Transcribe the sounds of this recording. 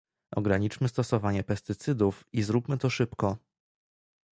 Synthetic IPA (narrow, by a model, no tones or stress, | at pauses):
ʔɔ̰ɡɾaɲit͡ʂmɘst̪ɔsɔvaɲɛpɛst̪ɘt̪sɘd̪ufizɾupmɘt̪ɔʂɘpkɔ